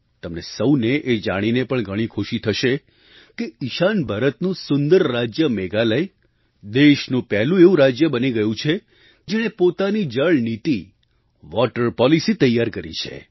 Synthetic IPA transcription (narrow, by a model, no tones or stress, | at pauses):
t̪əmnesəwneʔed͡ʒaɽ̃inepəɳɡʱəɽ̃ikʰoʃit̪ʰəʃe | keɪʃanbʱaɾət̪nũsʊnd̪əɾːad͡ʒjəmeɡaləj | d̪eʃnũpɛɦlũeũɾad͡ʒjəbəniɡəjũt͡ʃʰe | d͡ʒeɽ̃epot̪anid͡ʒəɭnit̪i | ʋɔʈəɾpɔlisit̪əjːaɾkəɾḭt͡ʃʰḛ